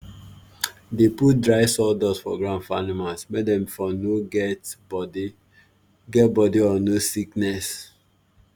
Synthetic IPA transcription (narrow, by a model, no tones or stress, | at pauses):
deput̚dɹaɪsɔdɔsfɔ̰ɡɹãndfanimalsmɛdɛ̃mfɔnoɡɛtd | ɡɛt̚bɔdiɔnosiknɛs